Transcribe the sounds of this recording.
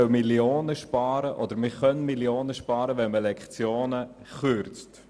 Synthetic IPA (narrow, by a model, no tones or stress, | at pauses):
œmiljoːnəʃpɑːɾəʔɔdəɾmɪχœnmiljoːnəʃpɑːɾəvɛnməlɛkχt͡sjoːnəχʏɾt͡st